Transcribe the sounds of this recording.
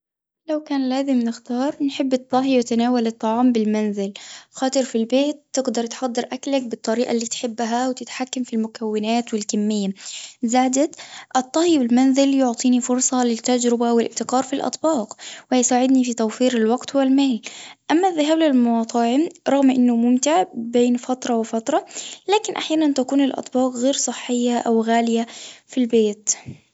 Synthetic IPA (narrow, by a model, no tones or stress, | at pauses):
lawkaːnlaːzɪmnɪxt̪ɑːɾˤnħɪbːɨt̪ˤːɑɦiwɪt̪anaːwalɨt̪ˤːɑʕɑːmbɪlmanzɪlxɑːt̪ˤɨɾfilbeːt̪ːɪɡd̪ɑɾˤt̪ħɑd̪ˤːɨɾˤʔaklak̚bɨt̪ˤːɑɾiːʔa̰lːiːt̪ħɪbːɦawt̪ɪt̪ħakːamfilmʊkawːɪnaːt̪wɪlkamːɪjːazaːd̪at̪ʔɨt̪ˤːɑhjbɪlmanzɪljʊʕt̪ˤiːnifʊɾsˤɑlɪt̪ːad͡ʒɾɪbawɪlʔɪbt̪ɪqɑːɾˤfilʔɑ̰t̪ˤbɑːqwjsaːʕɪd̪nifit̪awfiːɾɪlwaɡt̪wɪlmaːlʔamːaðːɪɦaːblɪlmʊwɑːt̪ˤɑʕmɾˤɑɣmʔɪnːʊmʊmt̪ɪʕbeːnfɑt̪ɾˤɑwɪfɑt̪ɾˤɑlaːkɪnʔaħjaːnant̪akuːnɪlʔɑ̰t̪ˤbɑːqɣeːɾsˤɨħːɪjːaʔawɣaːlɪjafilbeːt̪